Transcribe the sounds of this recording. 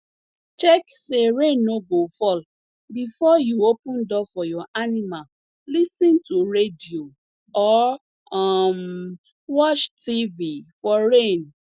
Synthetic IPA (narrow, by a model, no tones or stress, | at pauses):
t͡ʃɛkseɾẽnobofɔl | bifɔjuopũndɔfɔjɔʔanimal | lisĩntuɹedio | ɔ | am | wɔt͡ʃtivifɔɾen